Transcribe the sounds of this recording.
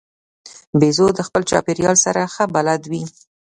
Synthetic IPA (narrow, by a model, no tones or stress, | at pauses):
bezod̪əxpəlt͡ʃɑ̰peɾjɑlsaɾaxəbalad̪wi